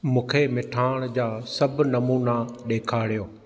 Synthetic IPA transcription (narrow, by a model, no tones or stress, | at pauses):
mũːkʰemɪʈʰaːɽ̃d͡ʑaːsɐbnɐmuːnaɗeːkʰaːɽijoː